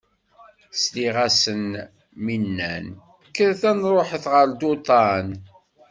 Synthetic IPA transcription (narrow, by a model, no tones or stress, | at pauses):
sliʁæsən | minːæ̰n | kːəɾθænɾˤoħəθʁəɾd̪ot̪ˤɑn